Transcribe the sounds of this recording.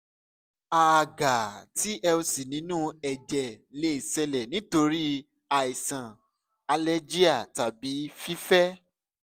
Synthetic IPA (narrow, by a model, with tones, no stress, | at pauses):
a˨ɡa˨ti˨˦ʔɛ˧o˧si˨nĩ˨˦nũ˦ɛ˨d͡ʒɛ˨le˦i˨sɛ˧lɛ˨nĩ˦to˧ɾi˦ | a˨i˨sã˨ | a˧le˦d͡ʒi˦a˦˨ta˨bi˨˦fi˦fɛ˦